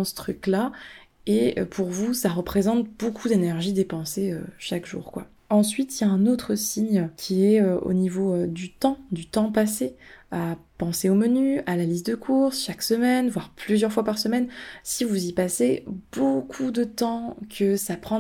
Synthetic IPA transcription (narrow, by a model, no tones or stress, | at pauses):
sə̥t̪χykla | eø̰pʰuʁvusaʁəpχezɑ̃t̪bokʰud̪enɛʁʒid̪epɑ̃seøʃakʒṵːʁkwa̰ | ɑ̃sɥit̪ijaɛ̃not̪χəsiɲkʲʰiɛøo̰nivoød̪yt̪ɑ̃d̪yt̪ɑ̃paseapɑ̃seomənyalalist̪̚d̪əkʰuʁsʃaksəmɛnvwaʁplyzjœʁfwapaʁsəmɛnsivuzipaseb̥okʰud̪ət̪ɑ̃kʰəsapχɑ̃